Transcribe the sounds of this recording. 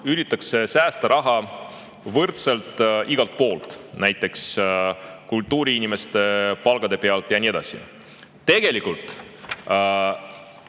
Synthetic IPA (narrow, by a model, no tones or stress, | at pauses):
ylit̪ːˑɑkse̞sæːst̪ɑɾɑɦɑ | vɤrt̪selt̪ˑiɡ̥ɑlt̪̚po̞ːlt̪ˑnæjt̪ˑːe̞ks | kult̪ːˑuːɾiinime̞st̪e̞pɑlɡ̥ɑd̪e̞peɑlt̪ˑjɑnʲie̞d̪̥ɑ̰sḭ | t̪e̞ɡ̥e̞likult̪ˑ